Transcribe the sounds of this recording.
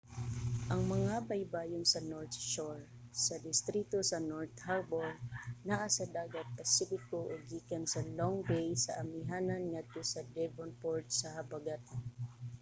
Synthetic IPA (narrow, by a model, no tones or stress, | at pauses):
ʔɐŋmɐŋabɐjbaːjonsɐnoɹt̪̚ʃoɹ | sɐd̪ɪst̪ɾit̪osɐnoɹt̪habolnaʔasɐd̪aːɡɐt̪̚pɐsifɪkoʔoɡiːkɐnsɐloŋbɛjsɐʔɐmɪɦaːnɐnŋɐt̪osɐd̪ɛvonpoɹt̪̚sɐhɐbaɡat̪